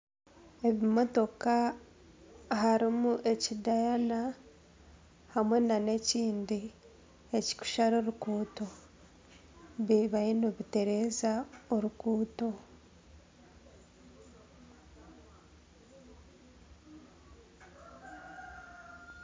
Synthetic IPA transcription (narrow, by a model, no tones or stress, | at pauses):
e̞βimo̞to̞ka | ɦaɾimuʔe̞cidajana | hamwe̞nane̞ciːndi | e̞ci̥ku̥ʃaɾo̞ɾukuːto̞ | βiβajinoβite̞ɾe̞ːzaoɾukuːto̞